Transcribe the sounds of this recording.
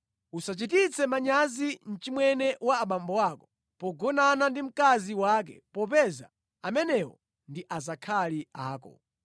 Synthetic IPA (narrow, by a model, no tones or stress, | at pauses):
usat͡ʃitit͡sʰɛmaɲazin̩t͡ʃimwɛnɛwaːɓambɔwakɔ̥ | pɔɡɔnanandim̩kaziwak̬ɛ̰pɔp̬ɛza̰ | amɛnɛwɔ̰ | ndiʔazakʰaliaːkɔ̰